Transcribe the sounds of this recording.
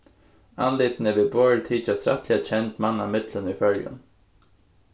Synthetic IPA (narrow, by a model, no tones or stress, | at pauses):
anlɪːt̪nɛvɪbɔːɹt̪ʰiːt͡ʃasɾa̰ht̪lɪat͡ɕʰɛnt̪manːamɪt̪lənifœɾjə̰n